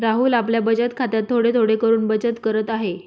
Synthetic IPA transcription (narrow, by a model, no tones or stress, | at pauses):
ɾaɦuːlapljabəd͡ʑət̪kʰat̪jat̪ʰːoɽet̪ʰoɽekəɾuːnbəd͡ʑət̪kəɾət̪aɦe